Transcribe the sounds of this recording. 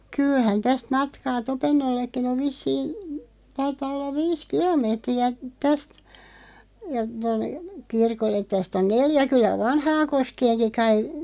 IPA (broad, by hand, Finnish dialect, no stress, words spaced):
kylhæn tæst mɑtkɑː topenːolːekːin oʋ ʋisːiːn̞ tɑitɑː olːɑʋ ʋiːs kilomeːtriæ tæst jɑ tonːe kirkolːet tæst on neljæ kylːæ ʋɑnhɑːnkoskeːnki kɑi